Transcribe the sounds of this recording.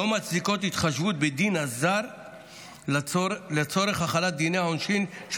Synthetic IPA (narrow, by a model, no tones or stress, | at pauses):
omat͡sdiko̞t̪hit̪χaʃvut̪̚bed̪inazaɾ | let͡so̞ɾe̞χaχalat̪̚d̪ineaonʃinʃ